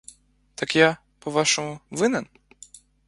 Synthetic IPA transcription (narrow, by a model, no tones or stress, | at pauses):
t̪akja | pɔʋaʃɔmʊʋɪnɛn